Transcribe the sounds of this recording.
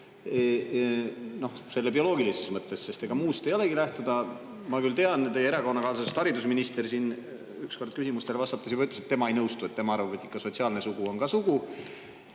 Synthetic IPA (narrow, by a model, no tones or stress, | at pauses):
no̞hse̞lːepio̞lo̞ːɡilisesmɤt̪ˑːe̞sːe̞st̪eɡ̥ɑmuːst̪e̞jo̞le̞ɡilæht̪ud̪̥ɑ | mɑkylt̪e̞ɑnt̪ejeeɾɑko̞nːɑkɑːlsɑst̪ɑɾid̪usminist̪e̞rsiːn | yksko̞rd̪̥̚kysimust̪elvɑst̪ɑt̪ːˑɑs̬jɑbɑyt̪ːˑleset̪ːe̞mɑejnɤwst̪ue̞t̪ːe̞mɑɑrvɑbet̪ːˑikːˑɑso̞t̪ʲsiɑːlne̞suɡ̥uo̞nɡɑsuɡ̥u